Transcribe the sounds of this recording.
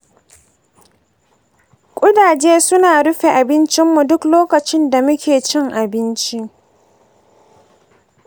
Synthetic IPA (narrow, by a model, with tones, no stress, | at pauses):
kʷʼʊ˦daː˨d͡ʒeː˦sʊ˦naː˨ɽʊ˦ɸe˨ʔa˨bɪ˦nt͡ʃɪ˦mːu˨dʊ˦kloː˦kɐ˨t͡ʃɪ˦nda˨mʊ˦kʲeː˨t͡ʃɪ˦ŋʔa˨bɪ˦nt͡ʃi˦ʔ